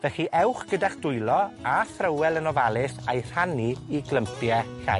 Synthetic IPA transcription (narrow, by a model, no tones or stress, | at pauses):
vɛχiʔɛwχɡ̥ədaχd̥ʊjlˠɔaθrəwɛlˠənɔvalˠɪsajr̥aniːɡləmpʰjɛɬa̰